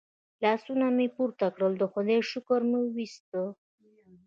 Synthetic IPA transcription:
lɑsunamipuɾt̪akɽəld̪əxʊd̪eʃʊkəɾmiwist̪ə

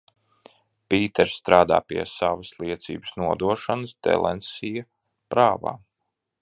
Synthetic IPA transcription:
pʲiːt̪ɛɾst̪ɾaːd̪a̰ːpiɛsavɐslˠiɛt̪sḭːbɨ̥snuɔd̪uɔʃanəsd̪ɛ̰lˠɛ̰nsija | pɾaːva̰ː

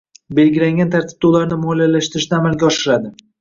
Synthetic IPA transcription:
be̞lɡʲɪlaŋɡʲant̪ʰaɾt̪ʰɪ̥b̚d̪aulaɾnɪmɒlijalaʃt̪ɪɾɪʃnaːmalɡʲaɒʃɪɾad̪ɪ

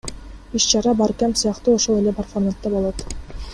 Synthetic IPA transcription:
iʃt͡ʃɑɾɑbɑɾkæmsɤjɑqt̪uoʃolˠeleprfanat̪ːɑbolˠot̪

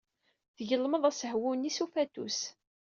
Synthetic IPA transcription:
θəʝəlːməðˤæsəhwunisufæt̪us

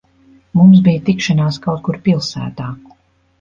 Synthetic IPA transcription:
mums̬bijt̪ikʃanaːskawt̪̚kuɾpilˠsæ̰ːt̪aː

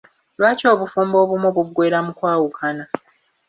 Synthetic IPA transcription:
lwaːco̞ːβufuːmbo̞ːβumuβuɡwe̞ːɾamukwaːwukʰana

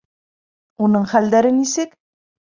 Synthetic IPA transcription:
onɤɴχæld̪æɾɘnisek

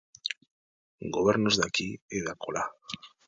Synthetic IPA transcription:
ɡoβeɾnozðakieðakʰo̰la

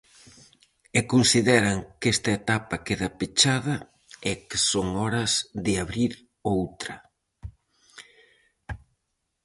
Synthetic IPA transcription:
ɛkonsiðɛɾɐŋkest̪ɐet̪apɐkeðɐpet͡ʃaðɐ | ɛkɪ̥soŋɔɾɐzðɪaβɾiɾ | owt̪ɾɐ

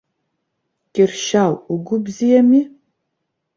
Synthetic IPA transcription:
kʲʼɪrʃaːwʊɡʷʊbzijɛmiː

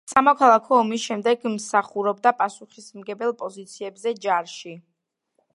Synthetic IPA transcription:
samɔkʰalˠakʰɔːmisʃɛmd̪ɛɡmsaχuɾɔbd̪apʼasuχismɡɛbɛlˠpʼɔzit̪sʰiɛbzɛd͡ʒaɾʃi

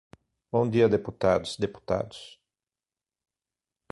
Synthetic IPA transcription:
bõnd̪iɐd̪eput̪a̰d̪ʊsd̪epu̥t̪a̰d̪ʊ̥s

